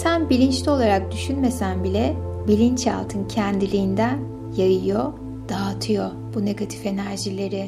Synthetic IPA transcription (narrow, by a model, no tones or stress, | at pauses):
sænbilʲint͡ʃlʲio̞lˠaɾak̚d̪yʃynme̞sænbilʲɛbilʲint͡ʃja̰lˠt̪ʰɯncʰɛnd̪ilʲiːnd̪æn | jajɯjo̞ | d̪̥aːt̪ʰɯjo̞ | b̥une̞ɡat̪ʰi̥fe̞næɾʒilʲe̞ɾɪ